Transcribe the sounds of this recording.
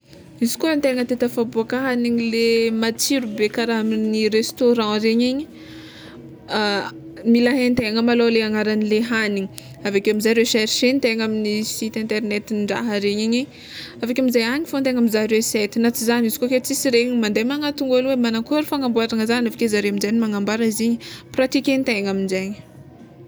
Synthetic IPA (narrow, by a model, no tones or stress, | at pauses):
izi̥kunt̪eaŋət̪et̪əfabuakaɦaniɲilemat͡siɾubekaɾaɦaminiɾest̪oɾɑ̃ɾeɲiɲi | milaɦent̪eaŋamaloleaŋaɾanileɦaniɲi | avekamizaɾewʃɛɾiʃent̪eŋaminisit̪ɛ̃nt̪ernet̪inɳɖ͡ʐa̰ɦəɾeɲiɲiɲ | avekʲaminzajaɲifont̪eŋamizaɾeset̪inat͡sizanizi̥koket͡sisiɾeɲmand̪ejmaŋat̪uŋɡolwemanakoɾifaŋambuaɾaŋəzaniavḁkezaɾeaminzajnimaŋambaɾəiziɲəprat̪ikent̪aaŋaminzeɲə̥